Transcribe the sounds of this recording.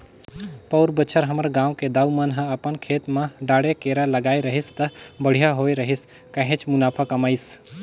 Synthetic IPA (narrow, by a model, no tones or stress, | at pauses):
pəʊɾbət͡ʃʰəɾɦəməɾɡãːwked̪aːumənɦə̃əpənkʰeːt̪mãɖaːɽekeːɾaləɡaːeɾəɦist̪ɐbəɽ̤jaɦoːeɾəɦis | kə̃ɦẽt͡ʃmʊnaːpʰakɐmaːis